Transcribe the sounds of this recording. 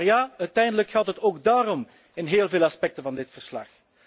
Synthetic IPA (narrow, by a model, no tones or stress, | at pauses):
jaːœɥtɛjndələkxaːlˠtɦətoːɡdaːɾɔm | ɪnɦeːlˠveːlˠɑspɛk̚təvɑndɪtfərslɑ̰x